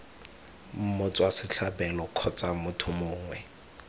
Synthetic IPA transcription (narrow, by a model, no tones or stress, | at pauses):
m̩mʊt͡sʼwasɪt͡ɬʰabɛlɔkʰɔt͡sʼamʊtʰʊmʊːŋwɛ